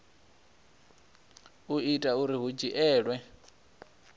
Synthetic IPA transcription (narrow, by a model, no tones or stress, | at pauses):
uitʼauɾiɦud͡ʒiʔɛːɺwɛ